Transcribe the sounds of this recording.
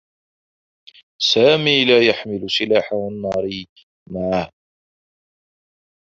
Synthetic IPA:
saːmiːlaːjaħmɪlʊsɪlaːħawanːɑːɾˤi | maʕa

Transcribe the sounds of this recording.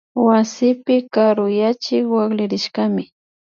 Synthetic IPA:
wasɪpɪkaɾʊjat͡ʃɪkwaklɪɾɪʃkamɪ

